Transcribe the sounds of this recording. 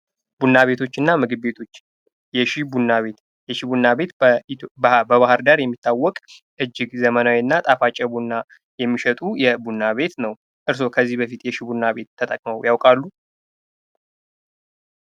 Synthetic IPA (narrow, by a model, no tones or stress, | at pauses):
bunːaβe̞t̪ʰo̞t͡ʃːɨnːamɨɡɨbbe̞t̪ʰo̞t͡ʃː | jɛʃibunːaβe̞t̪ | jɛʃibunːabe̞t̪ | bəβahɨɾd̪aɾjɛmːit̪ʰːawːɔkʼ | ʔɨd͡ʒːɪɡzəmənawiɨnːat̪ʼafat͡ʃʼːɛbunːa | jɛmːiʃɛt̪ʼujɛbunːaβe̞t̪nəw | ʔɨɾs̬o̞kʰəzːihbəfit̪jɛʃibunːaβe̞t̪ʰːət̪ʼəkʼməwjawkʼalːu